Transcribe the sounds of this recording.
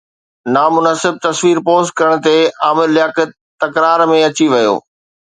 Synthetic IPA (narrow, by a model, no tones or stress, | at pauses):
naːmʊnəsɪb̚t̪ɐsʋiːɾpoːs̚kɐɾəɽ̃̆t̪eaːmɪɾlɪjaːkɪt̪ | t̪ːɐkɾaːɾmẽɐt͡ɕiʋɐjo̰ː